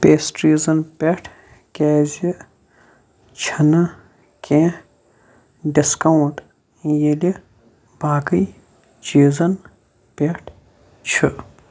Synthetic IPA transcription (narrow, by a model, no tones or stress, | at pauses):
peːsʈɾiːzɐnpʲeʈʰ | kʲeːzi | t͡ʃʰɐnɐ | kʰʲẽ | ɖiskɐwũʈ | jeli | baːkɨj | t͡ʃiːzɐn | pʲeʈʰ | t͡ʃʰɨ